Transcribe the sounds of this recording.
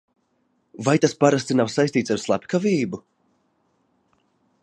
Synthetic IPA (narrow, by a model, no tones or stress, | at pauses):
vajt̪aspaɾast̪inawsajst̪iːt̪saɾslˠapʲkaviːbu